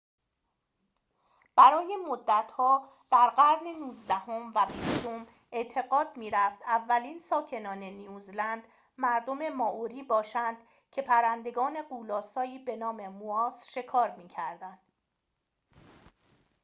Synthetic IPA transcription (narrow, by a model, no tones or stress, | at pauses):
b̥æɾɒːje̞mod̪ːæt̪ʰhɒː | b̥æɾɢæɾnenuːzd̪æho̞mvæbist̪om | ʔe̞ʔt̪ʰe̞ɣɒːd̪miːɾæft̪ævːæliːnsɒːcʰe̞nɒːne̞nijuːzlænd̪ | mæɾd̪o̞me̞mɒːʔoɾiːbɒːʃænd̪̥ | cʰe̞pʰæɾænd̪e̞ɡɒːne̞ɢuːlɒːsɒːiːbe̞nɒːme̞muɒːsʃe̞kʰɒːɾmiːcʰæɾd̪ænd̪̥